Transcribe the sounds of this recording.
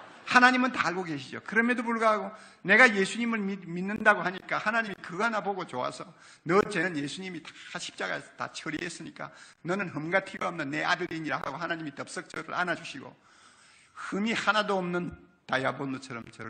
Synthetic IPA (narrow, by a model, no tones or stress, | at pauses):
hanaɲimɯntaaɭɡoɡe̞ɕʰid͡ʑo̰kɯɾʌmjʌdopuɭɡaɦaɡo | ne̞ɡaje̞sʰuɲimɯɭminːɯndaɡohaɲik͈ahanaɲimikɯɡanaboɡot͡ɕoa̰sʰʌ | nʌt͡ɕenɯnjesʰuɲimitḁɕʰi̥p̚t͡ɕ͈aɡa̰ta̰t͡ɕʰʌɾiɦes͈ɯɲik͈a̰nʌnɯnɦɯmɡatʰiɡoʌmnɯnːe̞adɯɾiɲiɾa̰ɦa̰ɡohanaɲimitʌp̚s͈ʌk̚t͡ɕ͈ʌɾɯ̰ɾʔa̰nad͡ʑuɕʰiɡo̰ | hɯmihanadoːmnɯntajabont͡ɕʰʌɾʌmt͡ɕʌ